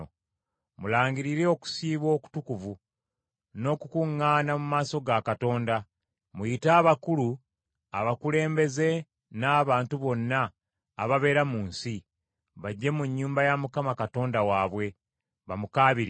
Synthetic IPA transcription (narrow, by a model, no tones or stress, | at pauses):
mulaːŋɡiɾiɾe̞o̞ku̥siːβwo̞ːku̥tukuvu | no̞kukuŋːaːnamumaːso̞ɡakato̞ːnda | mujitaːβakulu | a̰βakule̞ːmbe̞ze̞ | naːβaːntuβo̞nːaː | βaβe̞ːɾamuːnsi | βaɟːemuɲːuːmbajamukamakato̞ːndawaːβwe̞ | βamukaːβiɾ